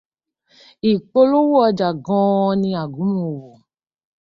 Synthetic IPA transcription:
i˨k͡po˧lo˦wo˦ɔ˧d͡ʒa˨ɡɔ̃˧˦˧nĩ˧a˨ɡũ˨˦mũ˨˧o˨wo˨

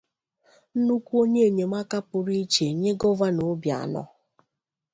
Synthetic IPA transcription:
n̩˦nu˦kʷu˦o˦ɲe˦e˨ɲe˨ma˦ka˦pʊ˨ɾi˦t͡ʃe˨ɲe˦ɡɔ˦va˦no˨˦bja̰˨nɔ̰˦

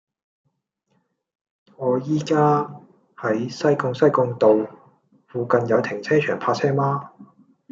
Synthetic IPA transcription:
ŋɔː˨˧jiː˥kaː˥ | hɐ˨˥jsɐ˥jkʊ˧ŋsɐ˥jkʊ˧ŋt̪o˨w | fuː˨kɐ˨njɐ˨˧wt̪ʰɪ˨˩ŋt͡sʰɛː˥t͡ʃʰœ̰ː˨˩ŋpʰaː˧t͡sʰɛː˥maː˥

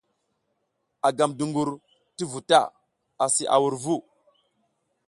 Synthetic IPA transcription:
a˨ɡa˨mdu˨ŋɡu˨ɾ | ti˦vu˨ta̰˦˨ | a˨si˨ʔa̰˨wu˨ɾvu˦

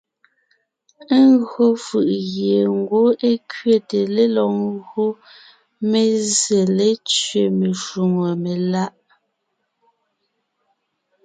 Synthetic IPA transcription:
e˦ŋɣɰo˦fɯ˨ʔɣje˨ŋ˦ɡwo˦ʔe˦kɥe˦te˨le˦lɔ˨qɣo˦ | me˨ze˨le˦t͡ʃɥe˨me˨ʃu˨ŋo˨me˨la˦ʔ

